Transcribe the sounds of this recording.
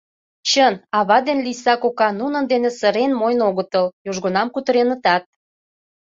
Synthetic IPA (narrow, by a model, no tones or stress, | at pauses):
t͡ɕənɑβɑd̪enlisɑkokɑnunənd̪enesəɾenmojnoɣə̆t̪əljoʒɣŏnɑmkut̪əɾenət̪ɑt̪̚